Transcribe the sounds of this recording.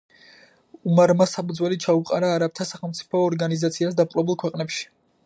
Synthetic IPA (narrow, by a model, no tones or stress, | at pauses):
umaɾmasapud̪zwɛlit͡ʃʰauqʼaɾaːɾap̚t̪ʰasaχɛlˠmt̪sʼi̥pʰɔːɾɡanizat̪sʰiasd̪apqʼlˠɔbulˠkʰwɛqʼnɛpʃi̥